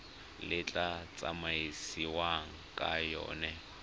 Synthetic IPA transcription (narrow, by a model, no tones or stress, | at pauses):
lɪt͡ɬʼat͡sʼa̰maisiwaŋ̩kʼajɔ̰ːnɛ